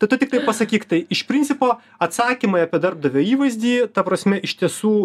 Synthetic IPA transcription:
t̪ɐɪtʊt̪ʲɪk̚t̪ɐɪpɐsɐkʲiːkt̪ɐɪɪʃpʲɾʲɪnʲtsʲɪpoː | ɐt̪sɑːkʲimɐɪɐpʲiɛd̪ɐɾb̚d̪ɐʋʲoːiːʋɐɪzʲd̪ʲiːt̪ɐpɾɐsʲmʲɛʔɪʃʲt̪ʲiɛsuː

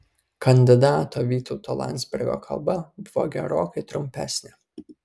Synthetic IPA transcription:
kɐnʲd̪ʲɪd̪ɑːt̪oːʋʲiːt̪ɔʊt̪oːlˠɑ̰nʲd̪zʲbʲɪɾʲɡʲo̰ːkʰɐ̰lˠbɐbʊʋo̰ːɡʲɛɾoːkɐɪt̪ɾʊmʲpʲæ̰sʲnʲe

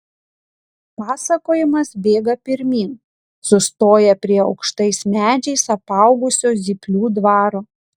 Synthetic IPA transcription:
pɑːsɐkoːjɪmɐsbʲeːɡɐpʲɪɾʲmʲiːŋ | sʊst̪oːjɛpʲɾʲiɛɒ̰ʊkʃt̪ɐɪsmʲæːd͡ʒʲɛɪsɐpɑˑʊɡʊsʲoːzʲipʲlʲuːd̪ʋɑːɾoː

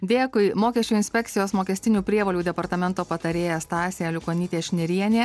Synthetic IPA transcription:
d̪ʲeːkʊɪmoːkʲɛsʲt͡ʃʲuːɪnʲsʲpʲɛk̚t̪sʲɪjoːsmoːkʲɛsʲt̪ʲɪnʲuːpʲɾʲiɛʋoːlʲuːd̪ʲɛpɐɾt̪ɐmʲɛnt̪oːpɐt̪ɐɾʲeːjɛst̪ɑːsʲeːɛlʲʊkoːnʲiːt̪ʲeːʃʲnʲɪɾʲiɛnʲeː

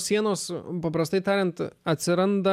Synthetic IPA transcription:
ssʲiɛnoːspɐpɾɐst̪ɐɪt̪ɑːɾʲɛnt̪ɐt̪ʲsʲɪɾɐnd̪ɐ

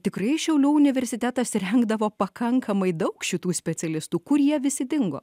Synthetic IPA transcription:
t̪ʲɪkɾɐɪʃʲɛʊlʲuːʊnʲɪʋʲɛɾʲsʲɪt̪ʲæt̪ɐsɾʲɛŋɡd̪ɐʋoːpɐkɐŋkʰɐmɐɪd̪ɐʊkʃʲɪt̪uːsʲpʲɛt̪sʲɛlʲɪst̪uːkʊɾjiɛʋʲɪsʲɪd̪ʲɪŋɡo̰ː

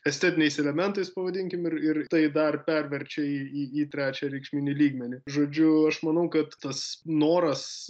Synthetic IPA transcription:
ɛsʲt̪ʲɛt̪ʲɪnʲɛɪsɛlʲɛmʲɛnt̪ɐɪspɐʋɐd̪ʲɪŋʲkʲɪmɪrɪrt̪ɐɪd̪ɐrpʲɛɾʲʋʲɛɾʲt͡ʃʲɛiːiːiːt̪ʲɾʲæːt͡ʃʲɛɾʲɛɪkʃʲmʲɪnʲɪlʲiːɡmʲɛnʲɪʒoːd͡ʒʲʊɐʃmɐnɐʊkɐt̪t̪ɐsnoːɾɐs

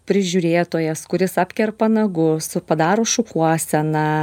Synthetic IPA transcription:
pʲɾʲɪʒʲuːɾʲeːt̪oːjɛskʊɾʲɪsɑːpʲkʲɛɾpɐnɐɡʊsʊpɐd̪ɑːɾoːʃʊkuɔsʲɛnɐ

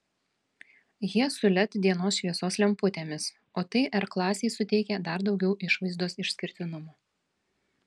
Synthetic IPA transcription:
jiɛsʊlʲɛt̪d̪ʲiɛnoːsʃʲʋʲiɛsoːslʲɛmpʊt̪ʲeːmʲɪs | oːt̪ɐɪʔɛɾklˠɑːsʲeɪsʊt̪ʲɛɪkʲɛd̪ɐɾd̪ɒʊɡʲɛʊʔɪʃʋɐɪzd̪oːsɪʃʲsʲkʲɪɾʲt̪ʲɪnʊmoː

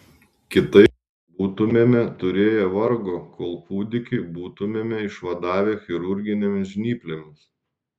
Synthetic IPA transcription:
kʲɪt̪ɐɪp | buːt̪ʊmʲeːmʲɛt̪ʊɾʲeːjɛʋɐɾɡoːkʰoːlˠpuːd̪ʲɪkʲɪɪbuːt̪ʊmʲeːmʲɛɪʃʋɐd̪ɑːʋʲeːxʲɪɾʊɾʲɡʲɪnʲomʲʒʲnʲiːpʲlʲemʲɪs

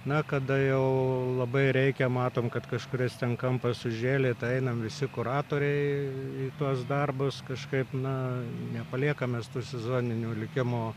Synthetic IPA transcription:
nɐkɐd̪ɐjɛʊlˠɐbɐɪɾʲɛɪkʲɛmɑːt̪oːmkɐt̪kɐʃkʊɾʲɪst̪ʲɛnkɐmpɐssʊʒʲeːlʲeːt̪ɐɪɛɪnɐmʋʲɪsʲɪkʊɾɑːt̪oːɾʲɛɪiːt̪uɔsd̪ɐrbʊskɐʃkɐɪpnɐnʲɛpɐlʲiɛkɐmʲeːst̪uːsʲɛzoːnʲɪnʲuːlʲɪkʲɪmoː

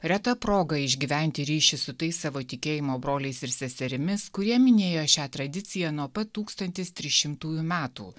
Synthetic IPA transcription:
ɾʲɛt̪ɐpɾoːɡɐɪʒʲɡʲiːʋʲɛnʲt̪ʲɪɾʲiːʃʲɪsʊt̪ɐɪsːɑʋoːt̪ʲɪkʲeːjɪmoːbɾoːlʲɛɪsɪɾsʲɛsʲɛɾʲɪmʲɪskʊɾʲiɛmʲɪnʲeːjoːʃʲæːt̪ɾɐd̪ʲɪt̪sʲɪjænuɔpɐt̪ːuːkst̪ɐnʲt̪ʲɪst̪ʲɾʲɪʃʲɪmt̪uːjuːmʲæːt̪ṵː

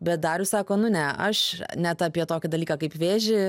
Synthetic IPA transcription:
bʲɛt̪̚d̪ɑːɾʲʊsɑːkoːnʊnʲɛɐ̰ʃnʲɛt̪ɐpʲiɛt̪oːkʲɪd̪ɐlʲiːkɑkɐɪpʋʲeːʒʲɪ

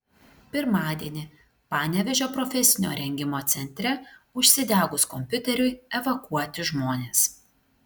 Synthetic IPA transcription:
pʲɪɾmɑːd̪ʲiɛnʲɪ | pɑːnʲɛʋʲɛʒʲoːpɾɔfʲɛsʲɪnʲo̰ːɾʲɛŋʲɡʲɪmoːt̪sʲɛnʲt̪ʲɾʲɛʊʃʲsʲɪd̪ʲæːɡʊskɔmʲpʲʊt̪ʲɛɾʲʊɪɛʋɐkuɔt̪ʲɪʒmoːnʲeːs

